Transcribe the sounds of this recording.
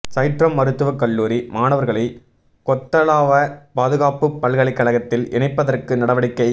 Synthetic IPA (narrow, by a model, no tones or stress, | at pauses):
sɐɪʈɾɐmːɐɾɯt̪ːɯʋɐkɐɭːuːɾimaːnɐʋɐɾɣɐɭɐɪ | kɔt̪ːɐlaːʋɐpaːðɯɣaːpɯpːɐlɣɐɭɪkːɐɭɐɣɐt̪ːɪlɛɳɐɪpːɐðɐrkɯnɐɽɐʋɐɽɪkːɐɪ